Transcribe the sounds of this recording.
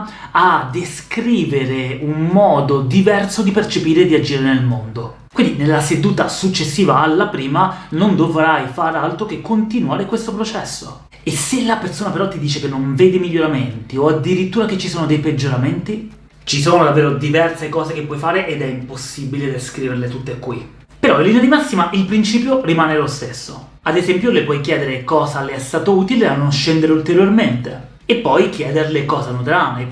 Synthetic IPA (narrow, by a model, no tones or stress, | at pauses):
ad̪eskɾiːveɾeunmɔːd̪od̪ivɛrsod̪ipert͡ʃepiːɾed̪iad͡ʒiːɾenelmond̪o | kwind̪inelːased̪uːt̪asut͡ʃːesːiːvaːlːapɾiːmanond̪ovɾajfaːɾealt̪ɾokekːont̪inuaːɾekwest̪opɾot͡ʃɛsːo | esːelːapersoːnapeɾɔt̪ːid̪iːt͡ʃekenːoɱveːd̪imiʎːoɾament̪ioad̪iɾit̪ːuːɾaket͡ʃːisoːnod̪ejped͡ʒːoɾament̪i | t͡ʃis̬oːnod̪avːeːɾod̪ivɛrsekɔːzekepːwɔjfaːɾeʔed̪ɛimposːibiled̪eskɾiːverlet̪ut̪ːekːwi | peɾɔilːinead̪imasːimaʔilpɾint͡ʃiːpjorimaːnelost̪esːo | ad̪ezɛmpjolepwɔjkjɛːd̪eɾekɔːzaleɛst̪aːt̪ouːt̪ileanːonʃɛnd̪eɾeult̪eɾjorment̪e | epːɔjkjɛːd̪erlekɔːzanut̪ɾane